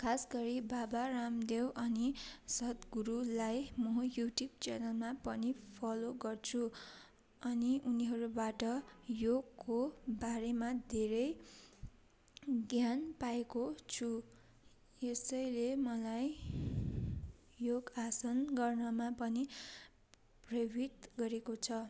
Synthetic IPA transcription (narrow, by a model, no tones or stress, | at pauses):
kʰasɡʌɾibabaramd̪ewʔʌnisʌt̪ɡuɾulajmʌjuʈjub̚t͡sanʌlmapʌnipʰʌloɡʌrt͡sʰu | ʌniʔuniɦʌɾubaʈʌjoɡkːobaɾemad̪ʱeɾʌj | ɡjanpaekot͡sʰu | esʌjlemʌlaj | joɡasʌnɡʌrnʌmapʌni | prʌjobʱit̪ɡʌɾekot͡sʰʌ